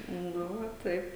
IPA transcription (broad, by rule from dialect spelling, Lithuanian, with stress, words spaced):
ˈnʊ ʋɐ ˈtɐɪp